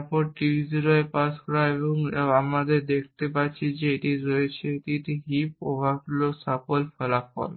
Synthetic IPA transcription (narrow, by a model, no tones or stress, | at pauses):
ɾpɔɾʈibʱiziɾɔepaskɔɾaebeboŋeamɾad̪eɾd̪ek̚ʰt̪epatːɕʰid͡ʑeeʈiɾoet͡ɕʰeeʈiʈiɦipo̰bʱakulosapolfɛlafɔ̰l